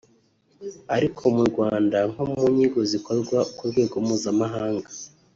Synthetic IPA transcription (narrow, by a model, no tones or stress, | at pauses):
aɾikʰo̞muɾɡwaːndaŋ̥homuɲiɡo̞ziko̞ɾɡwakuɾɡwe̞ːɡomuːzamaɦaːŋɡa